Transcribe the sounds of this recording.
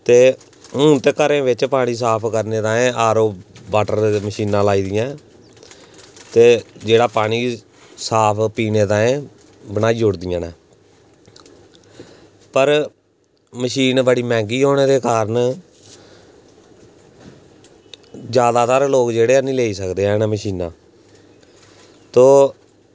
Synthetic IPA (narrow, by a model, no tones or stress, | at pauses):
t̪eː | ɦʊ̃ːt̪eːkəɾẽːʋɪt͡ʃpaːɽ̃ĩːs̬aːpʰkəɾneːt̪ãːẽːaːɾoːbaːʈəɾeməʃiːnãːlaːiːd̪ɪjãː | t̪eːd͡ʒeːɽaːpaːɽ̃iː | saːpʰpiːneːt̪ãːẽː | bənaːiːd͡ʒʊɽd̪ɪjãːnɛː | pəɾ | məʃiːnbəɽiːmɛ̃ːŋɡiːɦoːneːɾeːkaːɾən | d͡ʒjaːd̪aːt̪aːɾloːkd͡ʒeːɽeːnĩːleːiːsəkd̪eːɦɛ̃ːnɛːməʃiːnãː | t̪oː